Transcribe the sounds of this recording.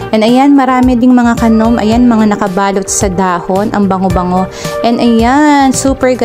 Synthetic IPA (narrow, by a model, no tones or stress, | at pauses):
ʔɛnɐjanmɐɾaːmɪd̪ɪŋmɐŋakɐnomʔɐ̰janmɐŋanɐkɐbaːlo̞t̪̚sɐd̪aːhonʔɐŋbɐŋobɐŋo̞ʔɛnɐjansuːpɛɹɡɐ